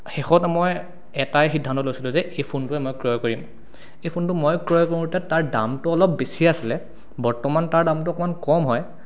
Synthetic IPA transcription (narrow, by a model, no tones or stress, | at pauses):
xexɔtmɔj | ɛtajxidʱːantɔtlojsilʊ̃zɛʔejpʰuntʊɛmɔjkɹiɔjkoɹim | ejpʰuntʊmojkɹɔjkoɹimɡtɛtaɹda̰mtʊɔlɔpbesiasilɛ | bɔɹtɔmantaɹdamtʊɔkɔmankɔmɦɔj